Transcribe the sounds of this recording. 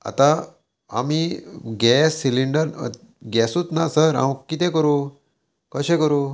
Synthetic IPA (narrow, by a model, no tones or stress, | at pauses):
a̰t̪a | a̰miɡɛsːiliɳɖəɾ̰ | ɡɛsut͡s̪nasəɾa̰wkit̪ɛ̃kəɾu | kəɕẽkəɾu